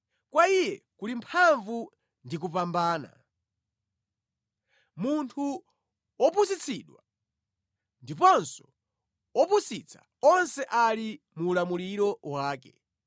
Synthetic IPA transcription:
kwaijɛkulimpʰaɱvu | ndik̬upambaːna̰ | muntʰu | ɔpusit͡sʰiɗwa | ndipɔnsɔ̥ | ɔpusit͡sʰḁ̰ | ɔnsɛʔali | muːlamuliɾɔwaːkɛ

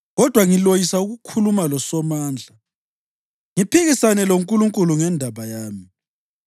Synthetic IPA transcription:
ɣɔd̥ʱwaŋilojisauɣukʰulumalɔsɔmaːnd͡ɮʱa | ŋipʰiɣisanɛloŋkʼuluŋkʼuluŋɛndʱaβajaːmi

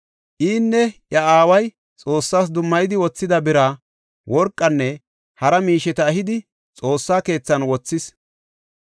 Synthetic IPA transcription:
ʔiːnːɛʔjɐaːwɐj | t͡sʼo̞ːsːaːs̬d̪ʊmːɐjɪd̪ɪwɔt͡sːɪd̪ɐbɪɾaː | wɔɾkʼːɐnːɛ | hɐɾɐmiːʃɛt̪ɐːɦɪd̪ɪ | t͡sʼo̞ːsːaːke̞ːt͡sːɐnwɔt͡sːɪs

